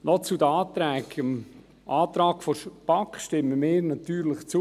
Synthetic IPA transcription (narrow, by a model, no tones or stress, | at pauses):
nɔt͡sud̪əaːt̪ɾɛːkəm | ʔaːt̪ɾɑːkfɔʃpakχʃtɪməmɪːɾnɑt̪yːɾlɪχt͡su